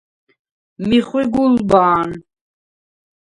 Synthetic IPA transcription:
miχwiɡulbaːn

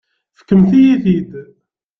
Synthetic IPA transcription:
fə̥kːəmθijiθid̪

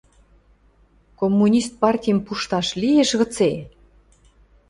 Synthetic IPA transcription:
komːunʲist̪̚pɑrtʲijəmpuʃt̪ɑʃlijeʃɣɤ̆t͡se

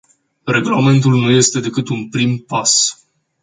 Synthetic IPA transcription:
re̞ɡulame̞nt̪̬ulnuje̞st̪e̞d̪e̞kɨt̪unpɾimpas

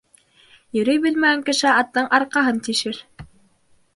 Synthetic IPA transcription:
jɵ̆ɾɵjbɘlmæɡæŋkɘ̆ʃɘɑt̪ːɤɴʔɑɾqɑɦɤnt̪iʃɘɾ

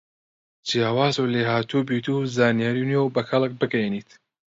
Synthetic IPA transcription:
d͡ʒijaːwaːzuwleːɦaːt̪ʰubiːt̪uzaːnijaːɾinewbɐxʰɐlˠɨk̚bɨɡɛjeniːt̪

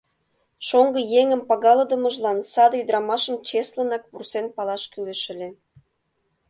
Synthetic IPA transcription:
ʃoŋɡɤ̆jeŋə̆mpɑɣɑlɤ̆d̪ə̆mə̆ʒlɑnsɑd̪ɤyd̪ɾɑmɑʃə̆mt͡ɕeslə̆nɑk̚vursenpɑlɑʃkylə̆ʃə̆lʲĕ

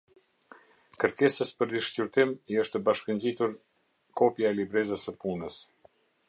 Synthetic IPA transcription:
kəɾkɛsəspəɾd̪iʃt͡ɕyɾt̪imiəʃt̪əbaʃkənzit̪uɾ | kʰɔpjaɛlibɾɛzəsəpunəs

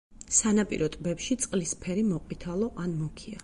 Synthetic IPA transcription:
sanapʼḭɾɔt̪ʼbɛpʃit̪sʼqʼlispʰɛɾimɔqʼwit̪ʰalˠɔʔanmɔkʰia

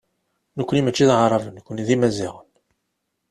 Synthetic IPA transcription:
nəkʷːənimət͡ʃːiðʕərˤɑvənːkʷːəniðimæzḭʁən

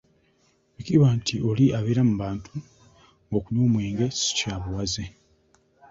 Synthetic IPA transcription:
ikiβantʰiʔo̞liʔaβeːɾamuβaːntʰu | ŋɡokuɲoːmwiːŋɡe̞si̥caːβuwaze

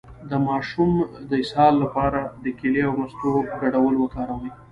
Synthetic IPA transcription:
d̪əmɑʃumd̪əɪshɑlːapɑɾad̪əkeleawmast̪oɡaɽawəlwək̪ɑɾawəj

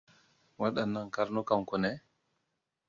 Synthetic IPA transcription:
waɗanːaŋkaɾnɔkamkɔnɛ

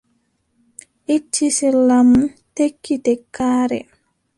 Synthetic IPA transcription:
ʔit͡ʃːisilamtekːitɛkːaːɾɛ̰

